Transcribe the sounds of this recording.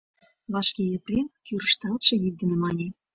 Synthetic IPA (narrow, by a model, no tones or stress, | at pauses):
βɑʃkʲejeprʲemkyɾə̆ʃt̪ɑlt̪ʃĕjyk̚d̪ə̆nĕmɑnʲe